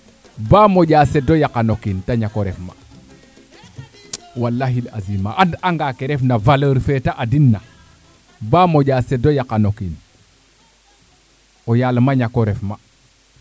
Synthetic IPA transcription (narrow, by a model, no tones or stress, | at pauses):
bamoɟaːsedojakanokintaɲakoɾefma̰ | walːaɦila̰zimaʔandaŋɡakeɾefnavaləɾfetaʔadinːa | bamoɟaːsedojakanokin | ojalmaɲakoɾefma